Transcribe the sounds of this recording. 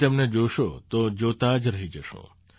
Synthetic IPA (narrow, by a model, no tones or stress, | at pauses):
t̪emned͡ʒoʃot̪od͡ʒot̪ad͡ʒɾəɦid͡ʒəʃṵ̃